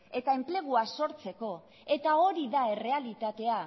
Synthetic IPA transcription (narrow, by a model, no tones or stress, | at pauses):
et̪ae̞mple̞ɣ̞uaso̞ɾt͡se̞ko̞ | e̞t̪ao̞ɾiðae̞re̞alit̪at̪e̞a